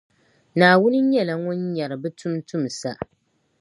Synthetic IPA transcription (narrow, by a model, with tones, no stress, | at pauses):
naː˨wʊ˦nɨ˦ɲɛ˦˨la˨ŋʊ˦nɲa˨ɾɨ˨bɨ˦tʰʊ˦mtu˦m˨sa˦